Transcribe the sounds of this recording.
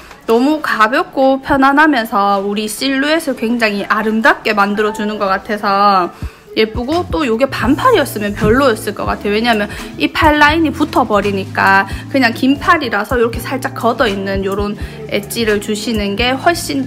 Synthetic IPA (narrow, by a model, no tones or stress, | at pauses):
nʌmukabjʌk̚k͈opʰjʌnanɦamjʌnsʰʌuɾiɕ͈iɭːue̞sʰʌkwe̞ŋd͡ʑaŋɦiʔaɾɯmdak͈e̞mandɯɾʌd͡ʑunɯnɡʌk͈atʰe̞sʰʌ | je̞p͈uɡot͈ojoɡe̞pampʰaɾiʌs͈ɯmjʌnpjʌɭːojʌs͈ɯɭk͈ʌk͈a̰tʰe̞joweɲaɦamjʌnipʰaɭːaiɲiputʰʌbʌɾiɲik͈akɯɲaŋkimpʰaɾiɾasʰʌiɾʌkʰe̞sʰaɭt͡ɕ͈ak͈ʌdʌinːɯnjoɾon | e̞̰t͡ɕ͈iɾɯɭt͡ɕuɕʰinɯnɡe̞ɸwʌɭɕ͈in